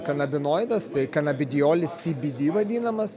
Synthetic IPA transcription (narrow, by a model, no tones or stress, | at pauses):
kɐnɐbʲɪnoːjd̪ɐst̪ɐɪkɐnɐbʲɪd̪ʲɪjoːlʲɪsʲibʲɪd̪ʲiːʋɐd̪ʲiːnɐmɐs